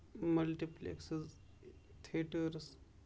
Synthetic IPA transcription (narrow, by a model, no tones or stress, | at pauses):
mɐlʈiplḛksɐz | t̪ʰeʈːɾs